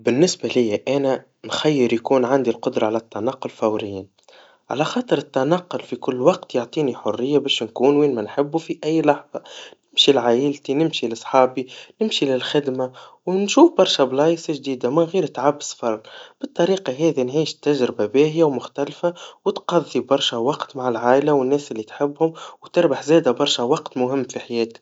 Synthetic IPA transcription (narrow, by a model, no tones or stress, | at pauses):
bɪnːɪsbælɪjːæʔæːnæ | nxæjːəɾjkuːnʕand̪ilqʊd̪ɾˤɑʕalæt̪ːanɑqːʊlfawɾɪjːi | ʕa̰læxɑːt̪ˤəɾɪt̪ːanɑqːʊlfikʊlːwɑq̚t̪joʕt̪ˤiːniħʊrːɪjːabɛːʃnkuːnwiːnmænħɪbːufiʔæjːlɑħðˤɑnɪmʃilʕaːʔɪlt̪inɪmʃilɨsˤħɑːbinɪmʃilɪlxɪd̪mawnʃuːfbɑɾˤʃablɑːjsaʒd̪iːd̪amɪnɣiːɾt̪ʕabːsfɑɾˤb̥ɨt̪ˤːɑɾiːqɑɦɛːðinʕiːʃt̪ːæʒɾɪbabɛːɦɪjawmʊxt̪ælfawɪt̪qɑðˤːibɑɾˤʃawɑqt̪maʕɪlʕaːʔlawɪnːɛːsʔɪlːit̪ħɪbːhʊmwt̪ɪɾbaħzɛːd̪abɑɾˤʃawɑqt̪mʊɦɪmːfiħajɛːt̪